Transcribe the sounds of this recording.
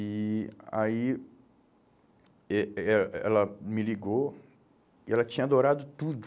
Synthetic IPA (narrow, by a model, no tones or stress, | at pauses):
ia̰i | ɛɛɛ̰lɐmɪliɡo | iɛlɐt͡ʃĩɲɐad̪oɾad̪ʊt̪ud̪